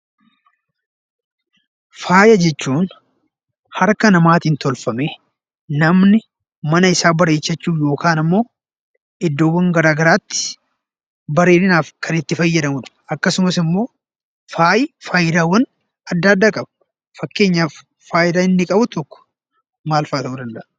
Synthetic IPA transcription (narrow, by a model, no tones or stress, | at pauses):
faːjɐd͡ʒɛt͡ʃːuːn | hɐɾkɐnɐmaːt̪iːnt̪ɔlfɐme | nɐmnɪ | mɐnɐɪsaːbɐɾeːt͡ʃːɐt͡ʃːuːjo̞ːkaːnɐmːo̞ː | ɪd̪ːo̞ːwːɐŋɡɐɾaːɡɐɾaːt̪ːɪ̥ | bɐɾeːnɪnaːfkʰɐnɪt̪ːɪfɐjːɐd̪ɐmʊᶑ̪ɐ̥ʔɐkːɐsʊmɐsɪmːo̞ː | faːjɪfaːjɪd̪aːwɐn | ɐd̪ːaːd̪ːaːkʼɐb | fɐkːe̞ːɲːaːfː | aːjɪd̪aːɪnːɪkʼɐbʊt̪ɔkːɔ̥ | maːlfɐːt̪ɐʔuːd̪ɐnd̪ɐʔ